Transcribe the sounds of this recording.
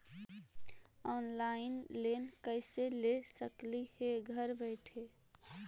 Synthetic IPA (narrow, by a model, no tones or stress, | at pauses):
ɔnlainlenkəɪselesəkliheɡʱəɾbəɪʈʰe